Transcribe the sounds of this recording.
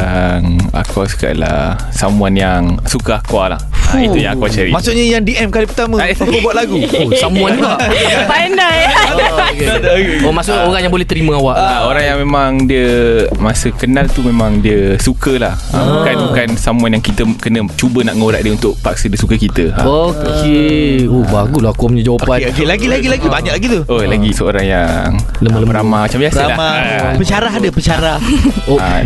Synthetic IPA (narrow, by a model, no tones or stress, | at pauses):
aŋa̰kɔska̰ʔla̰ | samũanjaŋsukaakwala̰ha̰it̪ujaŋakwat͡ʃaɾḭmasʊʔɲəjaŋdiʔɛmkalipərt̪amə̃aakəbuat̪ʔ̪̚laɡuosamũanaʔbana | omasʊʔoɾaŋjaŋbolɛht̪əɾimə̃awaʔaoɾaŋjaŋmemaŋdiəmasəkənalt̪umẽmãŋdiəsukəlahʔa̰bukanbukansamuanjaŋkit̪əkənə̃t͡ʃubənaʔŋoɾa̰ʔ̪diəunt̪ʊʔ̚pak̚sədiəsukəkit̪əa̰oeobaɡulahakuməɲãd͡ʒawapailaɡilaɡilaɡibaɲaʔlaɡit̪uolaɡisəoɾaŋjaŋ | ləmələpəɾamahmat͡ʃambiasəlaa | pəɲt͡ʃaɾaɦadəpət͡ʃaɾah | o